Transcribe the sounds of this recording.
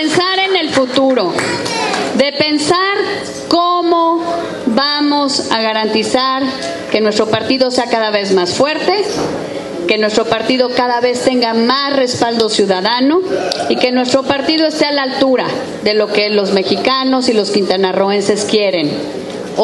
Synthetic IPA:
ensaɾene̞lfut̪uɾo̞ | ðe̞pe̞nsaɾ | komo | βamo̞saɣaɾant̪isaɾ | ke̞nwe̞st̪ɾo̞paɾt̪iðo̞seakaðaβe̞zmasfwe̞ɾt̪e̞ | ke̞nwe̞st̪ɾo̞paɾt̪iðo̞kaðaβe̞st̪e̞ŋɡamasre̞spald̪o̞sjuðaðano̞ike̞nwe̞st̪ɾo̞paɾt̪iðo̞e̞st̪ealalt̪uɾa | ðe̞lo̞ke̞lo̞zme̞xikano̞silo̞skint̪anaroense̞skje̞ɾe̞n

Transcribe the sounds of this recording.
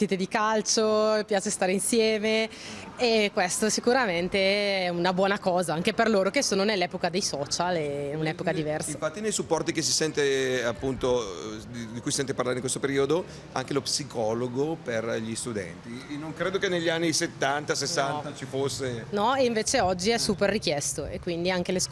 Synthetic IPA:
iːt̪ed̪ikalt͡ʃopjaːt͡ʃest̪aːɾeinsjɛːmeː | kwest̪osikuɾament̪eɛunabwɔːnakɔːzaaŋkeperloːɾokesoːnonelːɛːpokad̪ejsɔːt͡ʃaleunɛːpokad̪ivɛrsiafat̪ːinejsupːɔrt̪ikes̬isɛnt̪eapːunt̪o | d̪ikujsisɛnt̪epaɾrlaːɾeiŋkwest̪opeɾiod̪o | a̰ŋkelopsikʰɔːloɡoperʎist̪ud̪ɛ̰nt̪inːoŋkɾeːd̪okenːeʎːianːiset̪ːant̪asesːant̪at͡ʃifosːenɔeiɱveːt͡ʃeɔd͡ʒːiɛsuːperːikjɛst̪oekːwind̪iaŋk̟eles

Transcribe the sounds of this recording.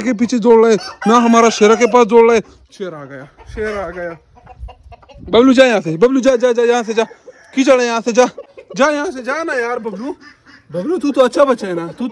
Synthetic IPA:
kep̬iːt͡ʃʰeːd͡zoːɽlaːeːnaːɦəmaːɾaʃeːɾakep̬aːsd͡zoːɽlaːeː | ʃeːɾaːɡəjaː | ʃeːɾaːɡəjaː | bəbluːd͡ʒaːjãːseːbəbluːd͡ʒaːd͡ʒaːd͡ʒaːjãːs̬ed͡ʒaː | kiːt͡ʃəɽejãːseːd͡ʒaːd͡ʒaːjãːseːd͡ʒaːnaːjaːɾbəbluː | bəbluːt̪uːt̪oːətːʃʰaːbət͡ʃʃaːeːnaːt̪uː

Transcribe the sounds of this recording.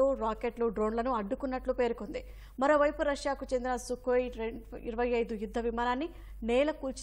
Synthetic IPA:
oɾaːkeʈluɖɾoːnlɐnuɐɖːukunːɐʈlupe̞ːɾukond̪i | mɐɾo̞ːʋɐjpuɾɐʂjaːkut͡ʃend̪inɐsukojɾeḭɾɐʋɐjɐjd̪ujud̪ʱːɐʋimaːnaːnːi | nɛːlɐkuːlt͡ʃ

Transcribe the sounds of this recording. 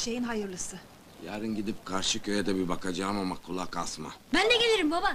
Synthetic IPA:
ʃe̞jinɦajɯɾlˠɯsɯ | jaːɾɯnɟid̪ip̚kʰaɾʃɯcʰøjɛd̪ɛbibakad͡ʒaːɯmamakʰulˠakasma̰bænd̪ɛɟe̞lʲeɾimbaba

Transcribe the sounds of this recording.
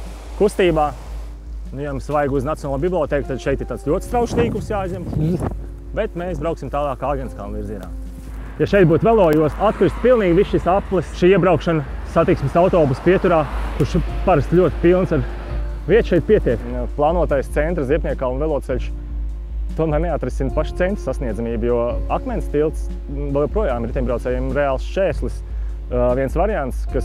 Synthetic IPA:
kust̪iːbaː | nujamsʋajɡuznat̪ʲjɔnːlˠuːbiblˠiɔt̪ɛːkut̪ad̪ʃɛjt̪ɪɾt̪aːt̪slʲuɔt̪ʲst̪ɾawʃlˠiːkumsjaːjzʲɛm | bɛt̪mesbɾawksʲimt̪aːlˠaːkːaːɡʲɛniska̰ːnviɾziɛna̰ː | jaʃɛjt̪̚buːt̪vɛlˠɔːjuɔsat̪kɾist̪pilˠniːɡʲʋisʃisaplˠɛsʃiːiɛbɾaʊkʃansat̪iksmsawt̪ɔːbuspiɛt̪uɾaːkuɾʃpaɾast̪lʲuɔt̪ʲɪ̥pilˠnsaɾ | viɛt̪ʃɛjt̪̚piɛt̪iɛkplˠɑːnuɔt̪ajst̪sɛnt̪ɾziɛpniɛkaːunvɛlˠɔt̪sɛlʲʃ | t̪uɔmæːɾneat̪ɾisinpaʃt̪sɛnt̪ɾsasniɛd̪zamiːbjuɔakmɛnt̪st̪ilˠt̪s | vɛlˠjɛwpɾuɔjaːmɾt̪ɛɲmbɾawt̪sɛːjɛmɾɛaːlˠsʃɛːslˠis | vʲiɛnsvaɾiant̪skas

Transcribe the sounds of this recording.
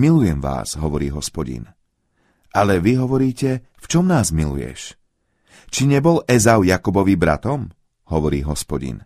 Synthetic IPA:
milujɛmʋa̰ːz̥ɦɔʋɔɾiːɦɔspɔɟḭn | ʔalɛʋiɦɔʋɔɾiːcɛ | ft͡ʃɔmnaːzmilṵjɛ̰ʃ | t͡ʃiɲɛbɔlɛzaʊjakubɔʋibɾa̰t̪ɔm | ɦɔʋɔɾiːɦɔspɔɟḭn

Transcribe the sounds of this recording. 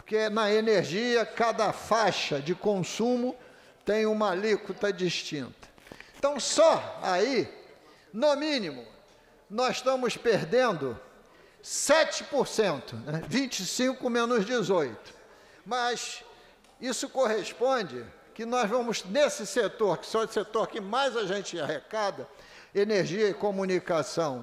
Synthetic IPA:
poɾkenɐeneɾʒiɐkad̪ɐfaʃɐd͡ʒɪkõsũmʊ | t̪ẽj̃ũmɐlikut̪ɐd͡ʒiʃt͡ʃĩnt̪ɐ̥ẽt̪ɐ̃w̃sɔai | nomĩnimʊ | nɔzʃt̪ɐ̃mʊspeɾd̪ẽnd̪ʊ | sɛt͡ʃɪ̥poɾsẽnt̪ʊnɛvĩt͡ʃɪsĩŋkʊmẽnʊzd͡ʒɪzojt̪ʊ̥ | mɐs | isʊkoɦespõd͡ʒɪ | kɪnɔzvɐ̃mʊznesɪset̪oɾkɪ̥sɔset̪oɾkɪmajzaʒẽnt͡ʃɪahekad̪ɐ | eneɾʒiɐikomunikasɐ̃w̃

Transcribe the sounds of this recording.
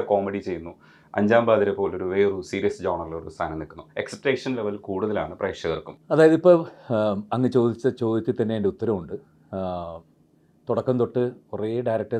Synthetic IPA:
ko̞ːmeɽit͡ɕe̞jːunːu | ɐ̰ɲd͡ʑaːmbaːðiɾepːo̞ːloɾuʋe̞ːrusiːɾijɐsd͡ʑoːɳɐriloɾust̪ʰaːnɐmnikːunːue̞ksɐpʈeːʂɐnleʋɐlkuːɽuðɐlaːɳɨprɐjkʂjɐɣɐrkumɐðaːjɐðipːo | ɐŋːɐt͡ɕo̞ːd̪it͡ɕːɐt͡ɕo̞ːd̪it͡ɕːɐt̪ɐnːejndeut̪ːɐɾɐmuɳɖɨ | t̪uɽɐkːɐnt̪o̞ʈːɨureɖajɾɐk̚ʈɐ

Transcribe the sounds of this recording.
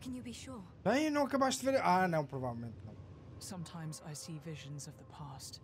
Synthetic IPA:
kʰə̃njɨbiʃʊɹ | bɐ̃j̃nɐ̃w̃ɐkɐβaʃt̪d̪veɾʔanɐ̃w̃pɾuva̰vɛlˠmẽnt̪̚nɐ̰̃w̃ | sʌ̃mtʰãɪ̃mza̰ɪsivɪʒɨ̃nzʌvðəpʰast

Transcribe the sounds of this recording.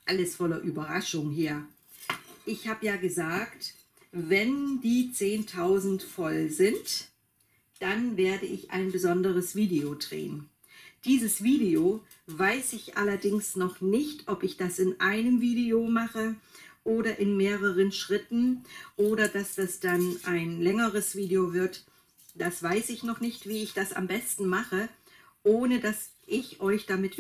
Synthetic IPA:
ʔaləsfɔlɐʔyːbɐʁaʃʊŋɦeːɐ | ʔɪçhaːbəjaːɡəzaːkt | vɛndiːt͡seːntʰaʊzn̩tfɔlzɪnt | d̥anveːɐdəʔɪçʔa̰ɪnbəzɔndəʁəsv̥iːdeodʁḛːən | d̥iːzəsv̥iːdeo | vaɪsɪçʔalɐdɪŋsnɔχnɪçtʰʔɔpɪçd̥asɪnʔaɪnəmviːdeomaχəʔoːɾɐʔɪnmeːʁəʁ̞ənʃʁ̥ɪtn̩ʔoːɾɐd̥asd̥asd̥anʔaɪnlɛŋəʁəsv̥iːdeovɪɐt | d̥asv̥aɪsɪçnɔχnɪçtv̥iːɪçd̥asa̰mbɛstn̩maχə | ʔoːnədas | ʔɪçʔɔʏçd̥amɪt

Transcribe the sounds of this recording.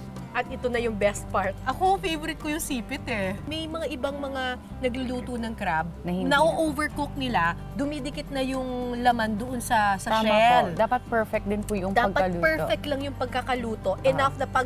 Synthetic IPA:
ʔɐt̪ʔɪt̪onɐjʊŋbɛst̪̚paɹt̪̚ʔɐkofejvoɾɪt̪̚kojʊŋsiːpɪt̪ɛmɛjmɐŋaʔɪbaŋmɐŋa | nɐɡlʊluːt̪onɐŋkɾab̚nɐhɪnɐʔoʔovɛɹkok̚nɪla | d̪ʊmid̪ɪkɪt̪̚nɐjʊŋlɐmand̪oʔonsɐsɐaʃaɛld̪aːpɐt̪̚pɛɹfɛk̚d̪ɪnpʊjʊŋd̪aːɐɡ̚pɐɐluːpɛɹfɛk̚t̪lɐŋjʊŋpɐɡ̚kɐkɐluːt̪o̞ʔɛnafnɐpɐ

